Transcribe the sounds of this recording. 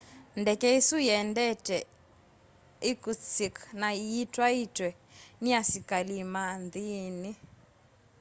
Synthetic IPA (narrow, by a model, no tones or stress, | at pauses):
ndɛkɛisujɛndɛtɛ | ikut͡siknaiitwaitwɛ | niasikalimand̪ini